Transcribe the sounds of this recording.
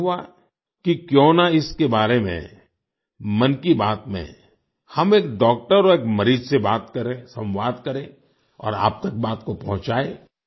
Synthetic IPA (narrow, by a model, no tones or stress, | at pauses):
ɦa | kikjõːnaɪskebaːɾemḛ̃ | mɐnkibaːt̪mḛ̃ | hɐmeːkɖɔːk̚ʈəɾeːkmɐɾiːd͡ʒsebaːt̪kɐɾẽsɐ̃mʋaːd̪kɐɾẽ | ɔ̰ːɾa̰ːp̚t̪ɐk̚baːt̪kopɐ̃ɦʊ̃t͡ʃaːeː